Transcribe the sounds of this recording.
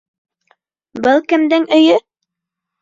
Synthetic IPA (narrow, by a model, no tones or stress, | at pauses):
bɤlˠkɘ̆md̪ɘŋɵ̆jɵ